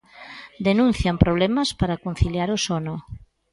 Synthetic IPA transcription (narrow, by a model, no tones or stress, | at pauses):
d̪enũnθjampɾoβlemɐspaɾakon̟θiljaɾosono